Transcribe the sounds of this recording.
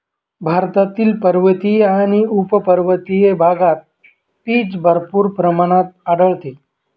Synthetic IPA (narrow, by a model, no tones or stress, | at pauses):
bʱaɾt̪at̪iːlpəɾʋət̪ijeaɽ̃iupəpəɾʋət̪ijebʱaɡat̪̚ | piːt͡sbʱəɾpuːɾpɾəmaɽ̃at̪̚aɖəɭt̪e